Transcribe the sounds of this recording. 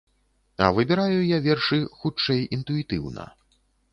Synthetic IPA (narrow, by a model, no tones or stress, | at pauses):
ɐ̰vɨbʲɛɾajujavʲɛrʂɨxut͡ʂɛjint̪uit̪ɨwnɐ̰